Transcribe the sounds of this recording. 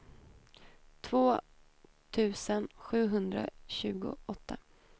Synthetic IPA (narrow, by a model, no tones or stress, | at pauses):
t̪ʰv̥oː | t̪ʰʉ̟ːsənɧʉ̟ːɦɵnd̪ɾa̰ɕʉ̟ːɡʊ̰ʔɔt̪ʰːa